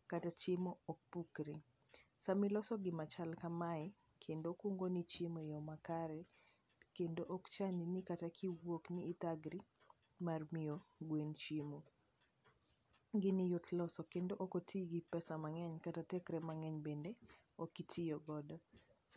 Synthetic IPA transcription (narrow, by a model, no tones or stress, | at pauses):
katat͡ʃɪmook̚pukɾiŋ | samɪlɔsɔɡɪmat͡ʃalkamaɪ | kʰendokuŋɡonit͡ʃemojɔmakaɾɛ | kendoʔokt͡ʃaninɪkatakʰiwokniːt̪aɡɾi | marmɪoɡwent͡ʃemo | ɡɪnɪjʊtlɔsɔkendoʔokotʰiɡipɛsamaŋɛɲkatatɛkɾɛmaŋɛɲbende | okːitʰɪjoɡɔdɔ